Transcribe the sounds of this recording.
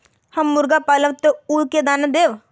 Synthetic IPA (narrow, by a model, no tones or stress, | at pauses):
hɐmːʊɾɡapaːləʋt̪ouːlked̪aːned̪eːʋ